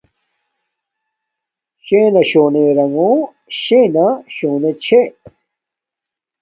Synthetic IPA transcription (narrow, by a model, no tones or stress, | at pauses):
ɕeːnɐɕoːneɾɐŋõ | ɕenaɕoːnet͡ɕʰe